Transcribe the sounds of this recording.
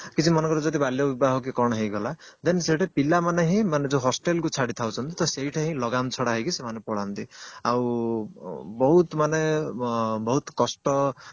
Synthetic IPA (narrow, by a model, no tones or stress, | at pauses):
kit͡ʃʰimɔnɔŋkɔɾɔd͡ʒɔt̪̬ibʱaljɔbibaɦɔkikɔɽ̃ɔɦejɡʱɔlad̪eneseʈʰepilamaneɦĩmaned͡zoɦɔsʈelkut͡ʃʰaɽit̪ʰawt͡ʃʰɔnt̪it̪ɔsejʈʰaɦĩlɔɡamt͡ʃʰɔɽaɦejkisemanepɔɽant̪iaw | bɔɦut̪mane | bɔɦut̪kɔsʈɔ